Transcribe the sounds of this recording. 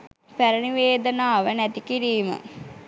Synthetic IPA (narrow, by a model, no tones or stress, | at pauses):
pæɾəniʋeːd̪ənaːʋənæt̪ikiɾiːmə̰